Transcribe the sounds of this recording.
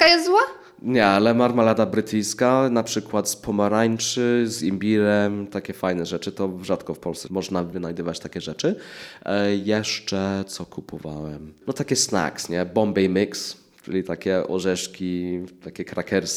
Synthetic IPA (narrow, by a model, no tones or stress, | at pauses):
akajɛzzwa | ɲɛalɛmaɾmalad̪abɾɘt̪ʰɘjskanapʂɘkwat̪spʰɔmaɾaɲt͡ʂɘzimbʲiɾɛmt̪akʲɛfajnɛʐɛt͡ʂɘt̪ɔʐat̪kɔfpɔlssɛmɔʐnavɘnajd̪ɨvat͡ɕt̪akʲɛʐɛt͡ʂɘ | jɛʂt͡ʂɛt̪sɔkʰupʰɔva̰wɛmnɔt̪akʲɛsna̰ksɲɛbɔmbɛjmiks | t͡ʂɘ̰lʲit̪akʲɛʔɔ̰ʐɛʂkʲit̪akʲɛkɾakʰɛɾs